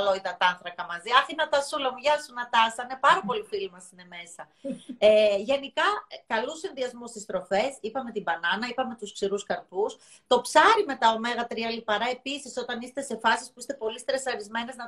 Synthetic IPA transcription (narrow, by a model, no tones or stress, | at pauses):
loit̪ɐt̪ɐnθɾɐkɐmɐziɐθinɐt̪ɐsulɐmuʝɐlsunɐt̪ɐsɐnepɐɾɐpo̞lifilimɐsine̞me̞sɐ | eʝe̞nikɐkɐlusinðiɐzmust̪ist̪ɾo̞fe̞sipɐme̞t̪ibɐnɐnɐipɐme̞t̪usksiɾuskɐɾpus | t̪o̞psɐɾime̞t̪ɐo̞me̞ɣɐt̪ɾiɐlipɐɾɐe̞pisiso̞t̪ɐnist̪e̞se̞fɐsispuist̪e̞po̞list̪ɾesɐɾizme̞ne̞znɐ